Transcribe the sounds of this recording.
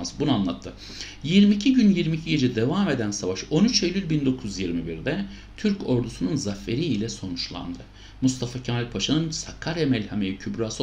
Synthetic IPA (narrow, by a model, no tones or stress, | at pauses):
sbunanlˠat̪ʰːɯ | jiɾmicʰiɟynjiɾmicʰiɟe̞d͡ʒɛd̪e̞vaːme̞d̪ænsavaʃo̞nyt͡ʃʰelʲylʲbind̪o̞kʰuzjiɾmibiɾd̪ɛ | t̪ʰyɾco̞ɾd̪usununzafːe̞ɾiilʲɛso̞nut͡ʃlˠa̰nd̪ɯ | must̪ʰafacʰamalʲpʰaʃanɯnsakʰːaɾemɛlʲhamejicʰybɾas